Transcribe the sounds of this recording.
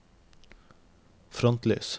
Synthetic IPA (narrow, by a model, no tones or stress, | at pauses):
fɾɔnt̪leːs